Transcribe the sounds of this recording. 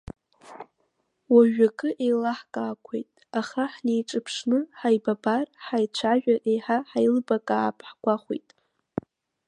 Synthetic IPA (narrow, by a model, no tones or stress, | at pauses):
waʒᶣakʼɨʔejlaħkʼaːkʷʰḛjtʼaχaħne̞jʈ͡ʂʼɨpʰʂnɨħajbabarħajt͡ʃʷʰaʒᶣaʔejħaħajlbakʼaːpʰħɡʷaχʷḛjtʼ